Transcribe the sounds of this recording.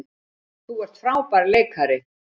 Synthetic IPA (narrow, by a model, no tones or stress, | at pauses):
θuvɛɾ̥t̪fɾaːwpaɾleːjkʰaɾɪ